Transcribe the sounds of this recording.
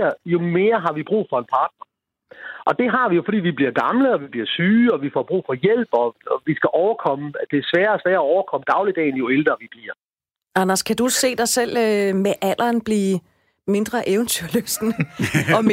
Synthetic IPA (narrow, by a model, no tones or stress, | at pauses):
ɐjo̝me̝ːɐɦɑ̈ʋib̥ʁṵːfɒ̽e̝npʰɑ̈ːd̥̚nɐ | ʔɒ̽d̥e̝ɦɑ̈ʋijo̝fɒ̽d̥ḭːʋib̥liɐɡ̥ɑ̈mləɒ̽ʋib̥liɐsyːɒ̽ʋifɒ̰b̥ʁṵːfɒ̽jel̰b̥ɒɒʋisɡ̥æʔɒʊɐkʰɒ̽məd̥e̝æsʋæːɐɒsʋæːɐːɒʊɐkʰɒ̽məd̥ɑ̈ʊlid̥ɛ̰ːn̩jo̝eld̥ʁɐːʋib̥liɐ | ɑnɐskʰæd̥usse̝̰ːd̥ɑ̈ɪsel̰ømeʔæl̰ʔɐːnb̥liː | me̝nd̥ʁɐʔeʊənt͡sʰyɐ̰løsd̥nɒ̽